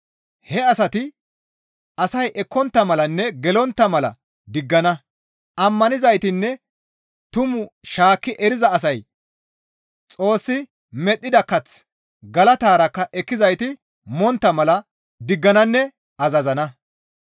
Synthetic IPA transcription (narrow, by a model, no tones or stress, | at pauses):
hɛɐsɐt̪ɪ | ɐsɐjʔɛkːɔnt̪ːɐmɐlɐnːɛɡɛlɔnt̪ːɐmɐlɐ̰ | d̪ɪɡːɐnɐ | ɐmːɐnɪzɐjt̪ɪnːɛ | t̪ʊmʊʃaːkːɪʔɛɾɪzɐːs̬ɐj | t͡sʼo̞ːsːɪ | mɛt̪ʼːɪd̪ɐkːɐt͡s | ɡɐlɐt̪aːɾɐkːɐʔɛkːɪzɐjt̪ɪ | mɔnt̪ːɐmɐlɐ | d̪ɪɡːɐnɐnːɛ | ɐzɐzɐnɐ